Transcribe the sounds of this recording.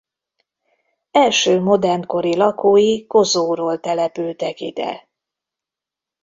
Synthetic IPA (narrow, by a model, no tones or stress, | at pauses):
ɛlʃøːmo̞d̪ɛrnko̞ɾilɒkoːjiko̞zoːɾoːlt̪ɛlɛpylt̪ɛkid̪ɛ̰